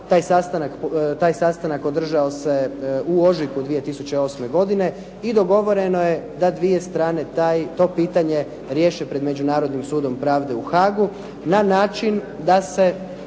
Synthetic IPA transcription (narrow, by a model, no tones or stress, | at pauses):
t̪aːjsast̪anakt̪aːjsast̪anako̞d̪r̩ʒaoseuo̞ʒikud̪ʋije̞t̪isut͡ɕe̞o̞ːsme̞ɡo̞d̪ine̞ | id̪o̞ɡo̞ʋo̞ɾe̞no̞je̞d̪ad̪ʋije̞st̪ɾaːne̞t̪ajt̪o̞piːt̪aɲe̞ | ɾje̞ːʃepɾe̞d̪me̞d͡ʑunaːɾo̞d̪nimsuːd̪o̞mpɾaːʋd̪e̞uxaːɡu | nanaːt͡ʃin | d̪ase̞